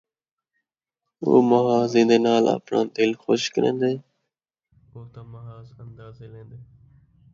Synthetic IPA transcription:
o̰ːməɦaːzĩːnd̪eːnaːlə̰pnã̰ːd̪ɪlxoːʃkəɾḛ̃ːnd̪eː | oːt̪ãːmɐɦaːzənd̪aːzelẽːnd̪eː

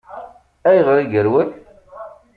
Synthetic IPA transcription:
æjʁɾˤiɡəɾwəl

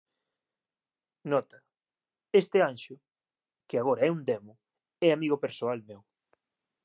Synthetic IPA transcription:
nɔt̪ɐ | est̪ɪanʃʊ | kɪaɣ̞oɾaɛund̪emʊ | ɛamiɣopeɾsoalmew

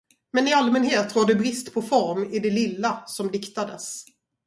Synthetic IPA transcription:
mɛnɪalmɛnheːt̪ɾoːdɵbɾɪst̪pʰɔfɔɾmɪd̪ɛlɪlːasɔmd̪ɪkt̪ad̪əs

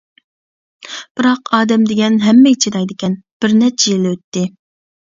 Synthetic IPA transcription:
b̥ɨɾɑqɑːd̪ɛmd̪ɪɡʲɛnɦɛmːɛit͡ʃʰid̪ɑjd̪ɪkʲɛnb̥ɪɾnɛt͡ʃʰɛjiløt̪ːɪ

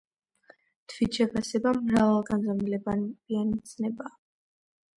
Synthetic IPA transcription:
t̪ʰwit̪ʃɛpʰasɛbamɾavalˠɡanzamlɛbanb̥ianit̪sʰnɛbaː

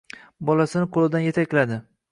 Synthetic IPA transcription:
bɒlasɪnɪqʰolˠɪd̪anjet̪ʰakʲlad̪ɪ

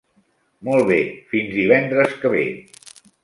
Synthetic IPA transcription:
mɔlˠβefinzðiβɛnd̪ɾəskəβ̞ḛ

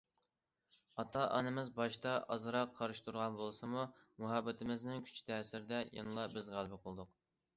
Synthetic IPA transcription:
ɑt̪ʰɑʔɑ̰nɨmɪzbɑʃt̪ɑʔɑ̰zɨɾɑqʰːɑɾɨʃt̪ʰuɾʁɑnbolˠsɨmu | muɦɑbːɪt̪ʰɪmɪznɪŋkʲʰy̥t͡ʃʰi̥t̪ʰɛsɪɾɪd̪ɛjɑ̰nɨlˠɑbɪzʁælˠbɪqʰolˠd̪ʊq

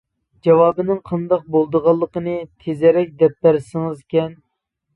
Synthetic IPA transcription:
d͡ʒɑwɑːbɨnɨŋqʰɑnd̪ɑq̚bolˠd̪əʁɑlˠːəqənɨt̪ʰezɛɾɛk̚ʲd̪ɛp̚læɾsɪŋɨzkʲɛn

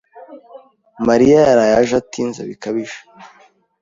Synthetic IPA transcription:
maɾiajaɾajaʒatinza̰βikaβiʒḁ

